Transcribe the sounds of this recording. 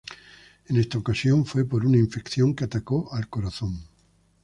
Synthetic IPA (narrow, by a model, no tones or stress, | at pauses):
ene̞st̪aokasjõ̞ɱfwe̞po̞ɾunaiɱfe̞kθjõ̞ŋkeat̪ako̞ʔalko̞ɾaθõ̞ŋ